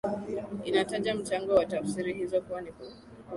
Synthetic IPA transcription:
inataʄam̩t͡ʃaŋɡɔwatafsiɾihizɔkuwanikɔ

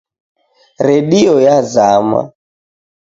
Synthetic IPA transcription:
ɾɛɗiɔjazama̰

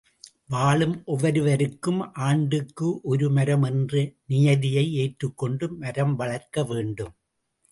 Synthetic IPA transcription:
ʋaːɭɯmʔɔʋɐɾɯʋɐɾɯkːɯmʔaːɳɖɯkːɯʔɔɾɯmɐɾɐmɛndrɯnɪjɐðɪjɐɪeːʈrɯkːɔɳɖɯmɐɾɐmʋɐɭɐɾkːɐʋeːɳɖɯm

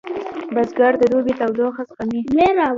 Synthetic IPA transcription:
bazɡaɾd̪əd̪obet̪awd̪oxazqamimeɾa

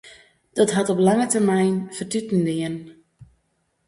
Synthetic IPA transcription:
d̥ɔtɦatɔplaŋətərmɛjnfərtytndɪən

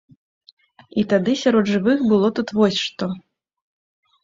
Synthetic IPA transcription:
it̪ad̪ɨsʲaɾɔd̪ʐɨvɨxbɨlˠɔt̪ut̪vɔsʲʂt̪ɔ

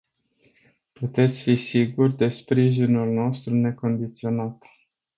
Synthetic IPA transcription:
put̪e̞t̪sʲfisiɡurʲd̪e̞spɾiʒinulno̞st̪ɾune̞ko̞nd̪it̪sio̞nat̪

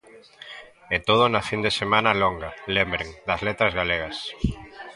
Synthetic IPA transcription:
ɛt̪oð̞onɐfind̪esemãnɐloŋɡɐlembɾeŋd̪ɐzlet̪ɾɐzɣaleɣɐs

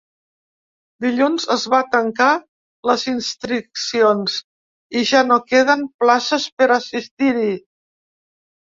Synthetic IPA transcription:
d̪iʎunzəzβat̪əŋka | ləzinst̪ɾiksionz | iʒanokeð̞əmplasəspəɾəsist̪iɾi

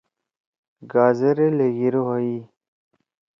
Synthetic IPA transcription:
ɡaːzeɾeleɡiɾoɦɐi

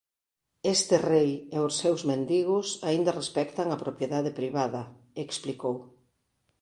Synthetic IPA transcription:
est̪ɪrejɛʊsːewzmẽnd̪iɣʊsaind̪ɐrespɛkt̪ɐŋɐpɾopjeðaðepɾiβaðɐ | eksplikow

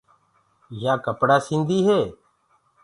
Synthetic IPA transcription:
jaːkəpɽaːsɪ̃nd̪iːɦeː

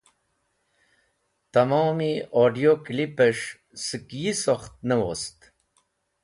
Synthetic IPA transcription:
t̪amoːmioɖijoklipeʂ | sɨkjisoxt̪̚nəwost̪

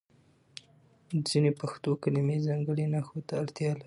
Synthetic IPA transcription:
z̥inepaxt̪okalimezɑŋɡəɽenaxot̪aːɽt̪jɑlaɾi

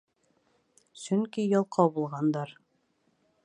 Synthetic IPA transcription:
sɵŋkijɒlˠqʰɑwbulˠʁɑnd̪ɑɾ

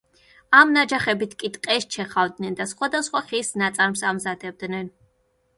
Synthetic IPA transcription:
amnad͡ʒaχɛbit̪ʰkʼit̪ʼqʼɛʃt͡ʃʰɛχavd̪nɛnd̪asχwad̪asχwaχisnat̪sʼaɾmsamzad̪ɛb̚d̪nɛn

